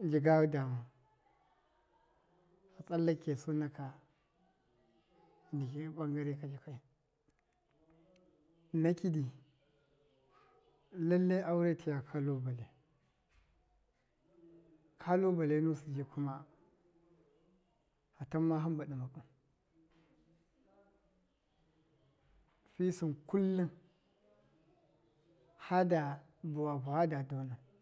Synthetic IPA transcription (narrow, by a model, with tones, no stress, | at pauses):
d͡ʒi˨ɡa˦wu˦da˨ma˨ | a˨t͡sʼa˦lːa˦ke˨su˦na˦ka˨ | ni˨ki˦ɓa˦ŋɡa˦ɾi˦ka˨d͡ʒi˨ka˦i˨ | na˦ki˦di˨ | la˦lːa˦ʔa˦wu˦ɾe˦ti˨ja˨kʰa˦lo˦ba˨le˨ | kʰa˦lo˦ba˨le˦nu˦si˨d͡ʒe˨kʰu˦ma˦ | a˨ta˦mːa˦ɦa˦mba˨ɗa˨ma˨ku˨m | fi˦su˨nku˦lːu˦n | ha˦da˨ | bu˨wa˨bu˨ha˦da˨do˦na˨